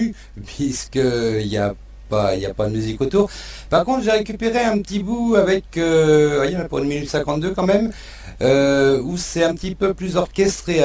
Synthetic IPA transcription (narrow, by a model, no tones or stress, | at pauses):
pɥiskəilja̰ | pa̰ilja̰pad̪əmyzikot̪uːʁpaʁkɔ̃t̪χʒeʁekʲypeʁeɛ̃pət̪ibuavɛkøvwajẽnapuʁynminyt̪sɛ̃kɑ̃t̪d̪økɑ̃mɛm | øusɛt̪ɛ̃pət̪ipøplyzɔʁkʲɛst̪χe